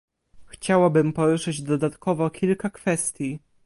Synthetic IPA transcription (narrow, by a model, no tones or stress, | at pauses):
xt͡ɕawabɘmpɔɾuʂɘd͡ʑd̪ɔd̪at̪kɔvɔkʲilkakfɛst̪ʲji